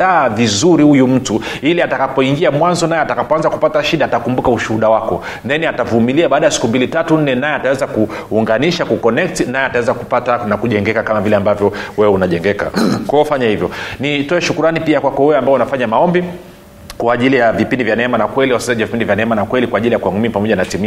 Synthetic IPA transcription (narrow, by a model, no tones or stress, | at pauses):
aːvizuɾihujum̩tu | iliatakapɔiŋɡiamwanzɔnajɛatakapɔanzaku̥pataʃiɗaːtakumbukauʃuhuɗawakɔ | nɛniatavumiliaɓaːɗajasi̥kumbilitatun̩nːɛnajɛatawɛzakuː | ŋɡaniʃakukɔnɛk̚tnajɛatawɛzakupatanakuʄɛŋɡɛkakamavilɛambavjɔwɛɛunaʄɛŋɡɛka̰kɔɔfaɲahivjɔnitɔɛʃukuɾanipiakwakɔwɛwɛambaɛunafaɲamaɔmbi | kwaːʄilijavipindivjanɛɛmanakwɛliwasisaʄavipindivjanɛɛmanakwɛlikwaːʄilijakuaŋumipamɔʄanatimi